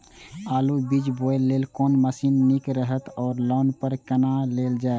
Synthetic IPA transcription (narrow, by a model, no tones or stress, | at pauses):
aːlubid͡ʒboelːeːlkoːnməsinːikɾəɦət̪ɔːɾlɔːnpəɾkənaleːld͡ʒaːeɡ